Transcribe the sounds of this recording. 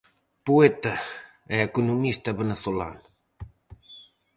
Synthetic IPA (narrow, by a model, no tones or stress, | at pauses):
puɛt̪a | ɛekunumist̪ɐβeneθola̰n